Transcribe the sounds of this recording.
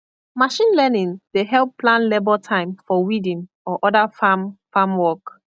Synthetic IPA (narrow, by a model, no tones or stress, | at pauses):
maʃĩnlɛnĩndeɦɛlpʰːlãnlebɔtʰãɪ̃mfɔwidĩn | ɔʔɔdafamfamwɔk